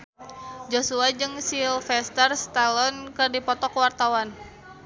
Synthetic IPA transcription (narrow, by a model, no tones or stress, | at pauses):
d͡ʒosuad͡ʒɨŋsilfɛst̪ərst̪alɔnkɨrdipɔt̪ɔkwart̪awan